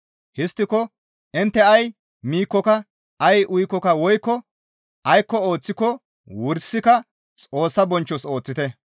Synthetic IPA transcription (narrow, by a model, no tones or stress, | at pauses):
hɪst̪ːɪkɔ | ʔɪnt̪ːɛɐj | miːkːɔkɐ | ʔɐjʔʊjkːɔkɐwɔjkːɔ | ʔɐjkːɔoːt͡sːɪkɔ | wʊɾsːɪkɐ | t͡sʼo̞ːsːɐbɔnt͡ʃːɔso̞ːt͡sːɪt̪ɛ